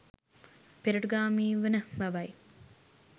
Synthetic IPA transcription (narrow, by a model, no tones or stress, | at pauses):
peɾəʈɡaːmiːʋənəmæʋɐj